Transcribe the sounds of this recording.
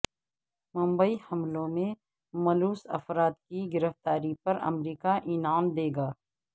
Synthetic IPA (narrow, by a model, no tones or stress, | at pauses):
mʊ̃mbəihɐmlõmẽ | mɐluːsɐ̰fɾaːt̪̚kiɡɪɾəft̪aːɾipɐɾɐ̰mɾiːkaʔɪnaːmd̪eːɡaː